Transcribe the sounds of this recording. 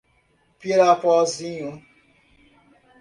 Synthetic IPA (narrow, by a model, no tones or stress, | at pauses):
peɾapɔziɲu